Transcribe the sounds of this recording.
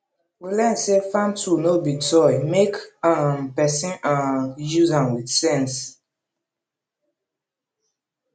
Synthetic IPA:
wilɛnsefãntʰunobitʰɔɪmekampɛsĩnajuzãmwiðsɛ̃ns

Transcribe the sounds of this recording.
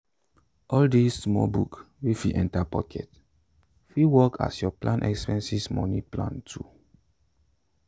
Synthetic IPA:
ʔɔldisːmɔ̰buk | wefiʔɛ̃ntapɔkʰɛ̰t | fiwɔkʰa̰sjɔplãnʔɛ̰kspɛ̃nsismɔ̰niplã̰ntʰu

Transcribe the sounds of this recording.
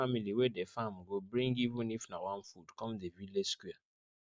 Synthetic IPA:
amiliwedefam̩ɡobɾĩŋɡivũnifnawãnfudkɔmdevileskwia

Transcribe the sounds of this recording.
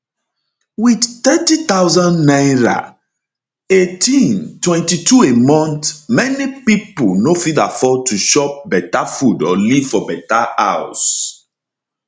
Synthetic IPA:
widtɛtit̪aʊzãnnajɹa̰ | etĩntwɛ̃ntituemɔ̃ntmɛnipiponofidafɔtuʃɔp̚bɛtafudɔlivfɔbɛtaaws

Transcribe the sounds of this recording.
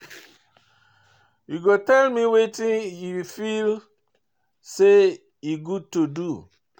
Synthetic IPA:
juɡotɛlmiwetĩjufil | se | iɡud̚tudu

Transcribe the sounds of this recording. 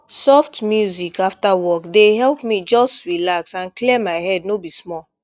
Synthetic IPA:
sɔftmjuzikaftawɔkdeɦɛlpmid͡ʒɔstɹilaksãnklemaɪhɛdnobismɔl

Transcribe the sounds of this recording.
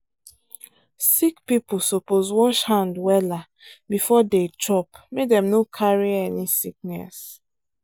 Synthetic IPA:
sikpipʊsopozwɔʃhãndwɛla | bifɔdet͡ʃɔpmedɛmnokʰaɹiɛnisik̚nɛ̰s

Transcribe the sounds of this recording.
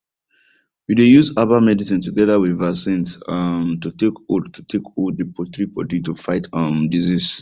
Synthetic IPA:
widejuzabamɛdisĩntuɡɛðawiðvasĩnsmtutekodtutʰekodipʰɔt̪ɹipɔditufaɪtʌmdizis

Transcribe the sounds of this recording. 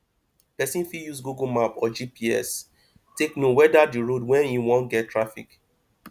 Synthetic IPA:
pɛsĩnfijusɡuɡumapɔd͡ʒipiɛ̰s | teknowɛdadiɹodwɛ̃njuwɔ̃ntɡɛttʰːɹafḭk

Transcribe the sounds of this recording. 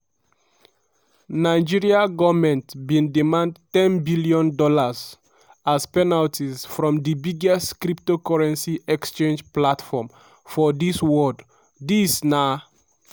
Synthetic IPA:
naɪd͡ʒiɹiaɡɔvmɛ̃ntbĩndimãndtɛ̃nbiliɔ̃ndɔlaz | aspɛnaltisfɹɔ̃mdibiɡɛstkɾiptokɔɹɛ̃nsiɛkst͡ʃẽnd͡ʒplatfɔm | fɔdiswɔd | disna

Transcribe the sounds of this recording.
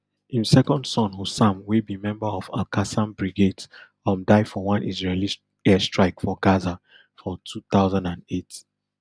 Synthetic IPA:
ĩmsɛkɔ̃ndsɔ̃nosãmwibimɛ̃mbəɔva̰lkasãmbɹiɡed | ɔ̃mdaɪfɔwɔ̃nʔizɹeli | ɛstɹaɪkfɔɡaza | fɔtʰuθaʊzãndãndet

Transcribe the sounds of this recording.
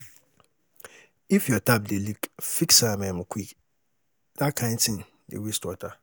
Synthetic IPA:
ifjɔtʰabdelikfiksamɛ̃mʊ̃kʰik | d̥akʰãntʰɪ̃n | dḛwestɔtʰa

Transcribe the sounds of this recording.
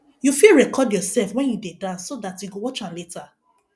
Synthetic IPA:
jufiɹɛkɔdjɔsɛlfwɛ̃njudedãnsːodatjuɡowɔt͡ʃaletʰa

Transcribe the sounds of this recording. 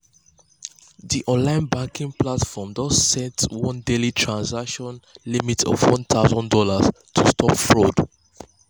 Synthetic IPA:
ðiʔɔ̃nlãɪ̃nbãŋkĩŋplatfɔmdɔzsɛ̃ntwɔ̃ndelitʰɹãnsakʃɔ̃nlimitɔ̰vwɔ̃nt̪ʰaʊzɔ̃ndɔləz | tʰustʰɔpfɹod

